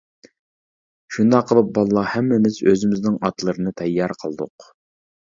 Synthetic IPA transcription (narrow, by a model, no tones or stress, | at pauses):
ʃund̪ɑqʰːəlˠɨp̚bɑlˠlˠɑhɛmːɪmɪzøzɪmɪznɪŋɑt̪lˠəɾɨnɨt̪ʰɛjːɑɾqʰəlˠd̪ʊ̰q